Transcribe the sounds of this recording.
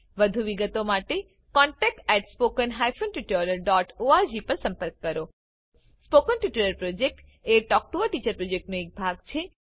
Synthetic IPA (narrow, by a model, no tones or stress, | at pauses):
ʋəd̪ʱuʋiɡət̪omaʈe | kɔɳʈɛk̚ʈɛʈspokənɦajfonʈiʈoɾəɾɖɔʈoaɾd͡ʒipəɾsə̃mpəɾkːəɾo | spokənʈiʈuɾəɾpɾod͡ʒek̚ʈ | eʈɔk̚ʈuəʈit͡ʃəɾpɾod͡ʒek̚ʈnoek̚bʱaɡt͡ʃʰe